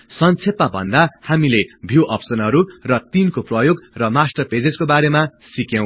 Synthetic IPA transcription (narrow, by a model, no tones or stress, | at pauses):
sʌnt͡sʰep̪abʱʌ̰nd̪ahamilebʱjuʔʌpsʌnɦʌɾurʌt̪inkoprʌjoɡrʌmasʈʌped͡zed͡zkobaɾemasikjʌw̃